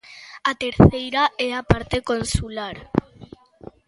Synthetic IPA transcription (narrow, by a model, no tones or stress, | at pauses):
at̪eɾθejɾaɛapaɾt̪ekonsulaɾ